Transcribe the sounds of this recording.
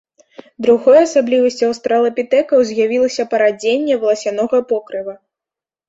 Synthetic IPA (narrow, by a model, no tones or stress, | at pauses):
d̪ɾuɣɔjɐsablʲivɐsʲt͡sʲɐwst̪ɾɐlˠɐpʲit̪ɛkɐwzʲjavʲilˠɐsʲɐpɐɾad͡zʲenʲːɛvɐlˠɐsʲanɔɣɐpɔkɾɨvɐ